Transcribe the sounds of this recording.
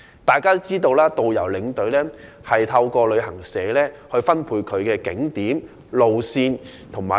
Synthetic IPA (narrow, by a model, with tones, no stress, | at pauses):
t̪aː˨jkaː˥t͡siː˥t̪o˧wlaː˥t̪o˨wjɐ˨˩wlɪ˨˥ŋt̪ɵ˨˧˥ɥlɛː˥ | hɐ˨jt̪ʰɐ˧wkɔː˧lɵ˨˧ɥhɐ˨˩ŋsɛː˨˧lɛː˥hɵ˧ɥfɐ˥npʰuː˧jkʰɵ˨˧ɥkɛː˧kɪ˨˥ŋt̪iː˨˥m | lo˨wsiː˧n | t̪ʰʊ˨˩ŋmaː˨˩